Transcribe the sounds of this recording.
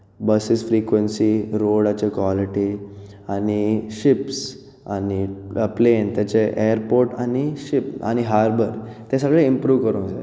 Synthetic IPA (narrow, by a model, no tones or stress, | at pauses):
bəsisfɾikʋənsiɾoɽat͡ɕekʋaliʈi | aniɕips | a̰niplent̪jat͡ɕeʔeəɾpoɾʈaniɕipa̰ñiɦaɾbəɾt̪jas̬aɡɭeimpɾuʋkəɾõd͡zḛ